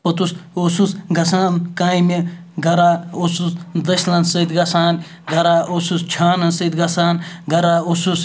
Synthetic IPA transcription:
pɐt̪usosusɡɐsaːnkaːimi | ɡɐɾaːosusd̪ɐsʲlɐnsɐd̪ɡɐsaːn | ɡɐɾaːʔosust͡ʃʰaːnɐnsɐd̪ɡɐsaːnɡɐɾaːosus

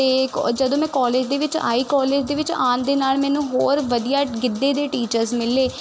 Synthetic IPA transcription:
eːkd͡ʒəd̪õːmɛ̃ːkɔːleːd͡ʒd̪eːʋɪt͡ʃa̰ːiːkɔːleːd͡ʒd̪eːʋɪt͡ʃaːnd̪eːnaːlmɛ̃ːnũːɦoːɾʋəd̪ijaːɡɪd̪ːeːd̪eːʈiːt͡ʃəɾzmɪlːeː

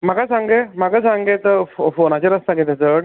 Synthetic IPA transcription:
m̤əkasaŋɡemaɡasaŋɡet̪əffonat͡ɕeɾəst̪ãkɡẽt̪et͡səɽ

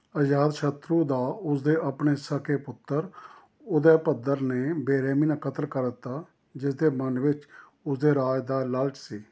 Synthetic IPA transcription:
əd͡ʒaːd̪ʃʰət̪ɾuːd̪aːʊsd̪eːʔəpneːsəkeːpʊt̪ːəɾ | ʊd̪eːpəd̪əɾneːbeːɾeːmiːnaːkət̪əlkəɾt̪ːaː | d͡ʒɪsd̪eːmənʋɪt͡ʃ | ʊsd̪eːɾaːd͡ʒd̪aːləlʈsiː

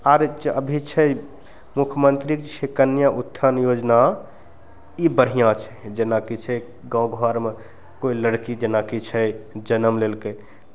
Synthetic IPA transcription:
aɾd͡ʒəbʱit͡ʃʰɛ | mukʰjmənt̪ɾiksʰekənjaʔut̪ʰːənjod͡ʒna | ibəɾ̤ijãt͡ʃʰɛd͡ʒenakit͡ʃʰɛ | ɡãwɡʱaɾme | koiləɽkid͡ʒenakit͡ʃʰɛd͡ʒənəmlelkə | t̪

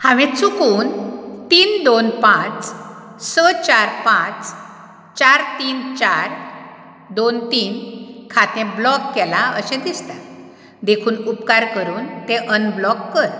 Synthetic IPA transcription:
hãʋẽt͡sukuːnt̪iːnd̪onpãt͡s | sət͡ɕaɾpãt͡s | t͡ɕaɾt̪iːnt͡ɕaɾ | d̪ont̪iːnkʰat̪ẽblɔkːɛlaəɕɛ̃d̪ist̪a | d̪ekʰuːnupkaɾkəɾuːnt̪eʔənblɔkːəɾ

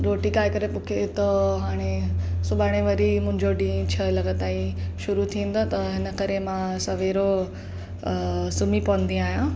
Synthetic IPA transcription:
ɾoːʈikaːikɐɾepʊkʰet̪ɐɦaːɽ̃esʊbaːɽ̃eʋɐɾimʊ̃ɦɪ̃ɲd͡ʑoɖĩːt͡ɕʰɐlɐɡət̪aːiʃʊɾut̪ʰĩːn̆d̪ot̪ɐɦɪnə̆kɐɾemãsɐʋeːɾo | sʊmipɐʋə̃n̆d̪ĩaːɦjã

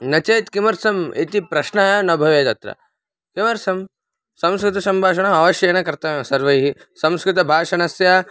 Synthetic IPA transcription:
nɐt͡ʃɐjt̪kimɐɾsɐmet̪ipɾɐʃnaːjɐnɐbʱɐʋeːt̪ɐt̪ɾɐ̰ | kimɐɾsɐm | sɐ̃mskɾɪt̪ɐsɐmbʱaːʃ̬ɐɳɐmɐʋɐʃjɐjɐnɐkɐɾt̪ɐsɐɾʋɐjɦi | sɐ̃mskɾɪt̪ɐbʱaːʂɐɳɐsja

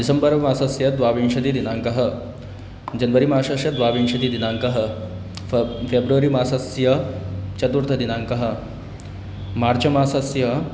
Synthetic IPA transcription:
d̪isɐmbɐɾʋɐmaːsɐsjɐd̪ʋaːʋiɳʃɐd̪iːd̪inaːŋkɐɦɐ̆ | d͡ʒɐnʋɐɾimaːʂɐʃjɐd̪ʋaːʋinʂɐd̪id̪inaːŋkɐɦɐ̆ | febɾuʋɐɾimaːsɐsjɐt͡ʃɐt̪uɾt̪ʰɐd̪inaːŋkɐɦɐ̆ | maːɾt͡ʃɐmaːsɐsjɐ

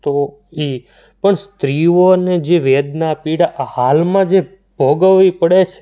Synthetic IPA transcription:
t̪o | i | pəɳst̪ɾioned͡ʒeʋed̪napiɽaʔhalmãd͡ʒe | b̥ʱoɡəʋːipəɽet͡ʃʰe

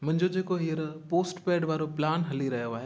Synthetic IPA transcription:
mʊ̃ɦɪ̃ɲd͡ʑod͡ʑeːkoɦiəɾpoːsʈpeːɖʋaːɾoplaːnɦɐliɾɐɦijoaːɦe

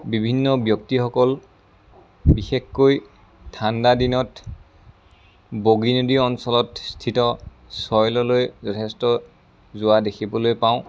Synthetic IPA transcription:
bibʱinːɔbjɔktixɔkɔl | bixekkoj | tʰːandadinɔt | boɡinodiɔnsɔlɔtstʰitɔ | sɔjlɔlojzɔtʰɛstɔ | zʊwadekʰibɔlojpaʊ̃

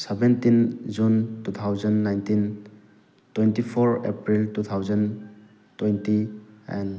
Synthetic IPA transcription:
sebentind͡ʒuntut̪ʰawzənːajntin | twentipʰoɾepɾiltut̪ʰawzən | twejntiɛ̰n

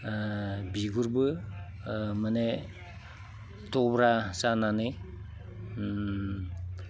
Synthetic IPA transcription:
biɡuɾbɯ | məne | tɔbɾasananɯj

